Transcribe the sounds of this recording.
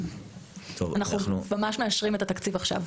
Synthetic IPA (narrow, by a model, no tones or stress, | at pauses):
t̪ʰo̰vanaχnunumamaʃmeaʃʁime̞t̪at̪akt͡sivaχʃa̰v